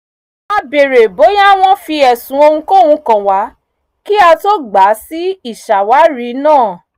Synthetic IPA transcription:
a˧be˨ɾe˨bo˨˦ja˦˨w̃ɔ̃˧fi˧ɛ˨sũ˨˦o˧hũ˧ko˦˨hũ˧kã˨wa˨˦ | ki˦a˧to˦ɡ͡ba˨˦si˦i˦˨ʃa˨wa˨˦ɾi˨˦nãː˦˨

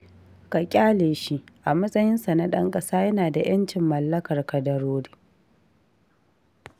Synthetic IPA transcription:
ka˨kʲʼaː˦leː˨ʃi˦ʔʔa˨mɐ˦sʼɐ˦jɪ˦nsa˨na˦ɗɐ˦ŋkʼɐ˦saː˦jɐ˦naː˨da˨j̰ɐ˦nt͡ʃɪ˨mːɐ˨lːɐ˦kɐ˨rkɐ˨dɐ˨ɾoː˦ɽi̥ː˦

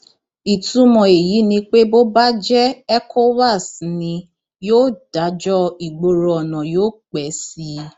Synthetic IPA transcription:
i˨tũ˨˦mɔ̃˨e˨ji˨˦nĩ˧k͡pe˦bo˦ba˦d͡ʒɛ˦ɛ˦kʰo˦wa˦˨snĩ˧ | joː˦˨d̥a˨˦d͡ʒɔ˦i˨ɡ͡bo˧ɾo˨ɔ˨nã˨joː˦˨k͡pɛ˨˦si˧˦

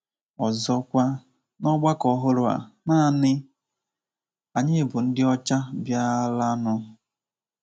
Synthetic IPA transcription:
ɔ˨zɔ˦kʷa˦ | nɔ˦ɡ͡ba˦kɔ˨ɦʊ˦ɾʊ˨a̰˨na˦˨nɪ˦ | a˨ɲɪ˦bʊ˨n̩˦dɪ˦ɔ˦t͡ʃa˦bja˦la˦nʊ˦

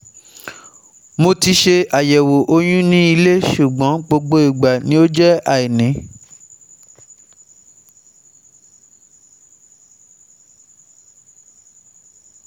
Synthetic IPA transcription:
mo˧ti˧ʃe˧a˨jɛ˨wo˨ʔo˧j̃ũ˦nĩ˦i˧le˦ʃu˨ɡ͡bɔ̃˨˦ɡ͡bo˧ɡ͡bo˦i˨ɡ͡ba˨nĩ˦o˦d͡ʒɛ˦a˦˨i˨nĩ˨˦

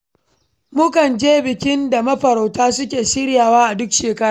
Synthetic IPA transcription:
mʊ˦kɐ˨nd͡ʒeː˦bɪ˨kʲɪ˦nda˨mɐ˦ɸɐ˨ɾa˨wtaː˦s̬ʊ˦kʲeː˨ʃɪ˦ɾjaː˨waː˦ʔa˨dʊ˦kʃeː˨kɐ˦ɾaː˨

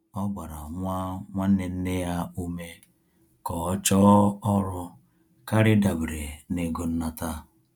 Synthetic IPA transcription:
ɔ˦ɡ͡ba˨ɾa˨ŋʷa˦ŋʷa˦ne˨n̩˦ne˦ja˦u˦me˦ | kɔ˨˦t͡ʃɔ˦ɔ˦ɾʊ˦ | ka˦ɾɪ˦da˨bɾe˨ne˨ɡo˦n̩˦na˨ta˦

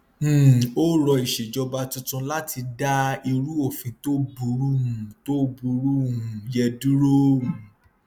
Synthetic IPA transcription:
o˦ɾɔ˧i˨ʃe˨d͡ʒɔ˧ba˧tũ˧tũ˧la˦tʰi˧da˦i˧ɾu˦o˦˨fĩ˨˧to˦bu˨˦ɾu˦ũ˨to˦bu˧ɾu˦ũ˨jɛ˧du˦ɾõ˦˨

